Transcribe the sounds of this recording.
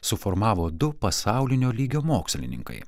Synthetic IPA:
sʊfoɾmɑːʋoːd̪ʊpɐsɑˑʊlʲɪnʲoːlʲiːɡʲoːmoːksʲlʲɪ̰nʲɪ̰ŋkɐ̰ɪ

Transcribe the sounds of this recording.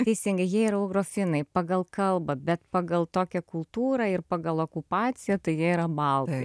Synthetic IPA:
t̪ʲɛɪsʲɪŋɡɐɪjiɛiːɾɐuʊɡɾoːfʲɪnɐɪpɐɡɐlˠkɐlˠbɐbʲɛt̪pɑːɡɐlˠt̪oːkʲɛkʊlˠt̪uːɾɐɪrpɑːɡɐlˠoːkʊpɑːt͡s̪ʲɪjɛt̪ɐɪjiɛiɾɐbɐlˠt̪ɪ

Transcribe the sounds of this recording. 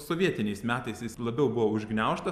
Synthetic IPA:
soʋʲiɛt̪ʲɪnʲɛɪsmʲæːt̪ɐɪsjɪslˠɐbʲɛʊbʊʋoːʊʒʲɡnʲɛʊʃt̪ɐ

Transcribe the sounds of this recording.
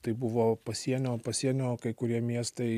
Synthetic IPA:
t̪ɐɪbʊʋoːpɐsʲiɛnʲoːpɐsʲiɛnʲoːkɐɪkʊɾʲiɛmʲiɛst̪ɐɪ

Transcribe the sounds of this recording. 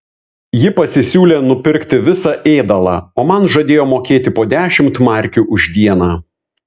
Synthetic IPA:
jɪpɐsʲɪsʲuːlʲeːnʊpʲɪɾʲˑkt̪ʲɪʋʲɪsɑʔeːd̪ɐlˠɑ̰ːoːmɐnʒɐd̪ʲeːjoːmoːkʲeːt̪ʲɪpoːd̪ʲæːʃʲɪmt̪mɑˑɾʲkʲuːʔʊʒʲd̪ʲiɛnɑː

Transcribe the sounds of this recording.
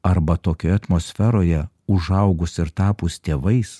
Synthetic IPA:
ɐɾbɐt̪oːkʲoːjɛɐt̪moːsʲfʲɛɾoːjɛ | ʊʒɐʊɡʊsɪɾt̪ɑːpʊst̪ʲeːʋɐɪs

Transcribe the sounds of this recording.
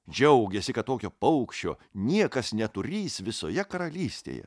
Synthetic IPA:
d͡ʒʲɛʊɡʲesʲɪkɐt̪̚t̪oːkʲoːpɐʊkʃʲt͡ʃʲo̰ːnʲiɛkɐsnʲɛt̪ʊɾʲiːsʋʲɪso̰ːjɛkɐɾɐlʲiːsʲt̪ʲḛjɛ̰

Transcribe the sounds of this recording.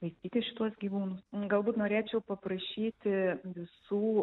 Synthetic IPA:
ʋɐɪsʲt̪ʲiːt̪ʲɪʃʲɪt̪uɔsɡʲiːʋuːnʊsɡɐlˠbuːt̪noːɾʲeːt͡ʃʲɛʊpɐpɾɐʃʲiːt̪ʲɪʋʲɪsuː

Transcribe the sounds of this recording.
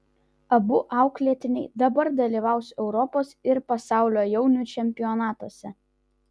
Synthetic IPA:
ɐbʊʔɑˑʊklʲiɛt̪ʲɪnʲɛɪd̪ɐbɐɾd̪ɐlʲiːˑʋɑˑʊsʲɛʊɾɔpoːsɪɾpɐsɑˑʊlʲoːjɛʊnʲut͡ʃʲɛmʲpʲɪjɔnɑːt̪uɔsʲɛ

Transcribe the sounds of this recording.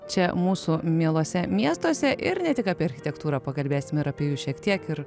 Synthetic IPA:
t͡ʃʲɛmuːsumʲiɛlˠoɔsʲɛmʲiɛst̪oːsʲɛʔɪɾnʲɛt̪ʲɪkaːpʲiɛɐɾʲxʲɪt̪ʲɛkt̪uːɾɑːpɐkɐlʲbʲeːsʲɪmɪɾapʲiɛjuːʃʲiɛkt̪ʲiɛkɪɾ

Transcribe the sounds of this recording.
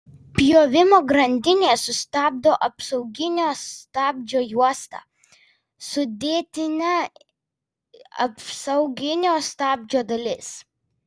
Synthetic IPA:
pʲjoːʋʲɪmoːɡɾɐnʲd̪ʲɪnʲeːsʊsʲt̪ɑːb̚d̪oːʔɐpsɐʊɡʲɪnʲoːst̪ɑːbʲd͡ʒʲoːjuɔst̪ɑ̰ː | sʊd̪ʲeːt̪ʲɪnʲæ | ɐ̰psɐʊɡʲɪnʲoːst̪ɑːbʲd͡ʒʲoːd̪ɐlʲɪs

